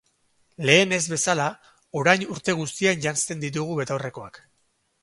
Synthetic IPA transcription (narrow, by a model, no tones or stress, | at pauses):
le̞ːne̞zβe̞sala | o̞ɾajnuɾt̪e̞ɣ̞ust̪ianʝanst̪e̞nd̪it̪̬uɣ̞uβe̞t̪awre̞ko̞ak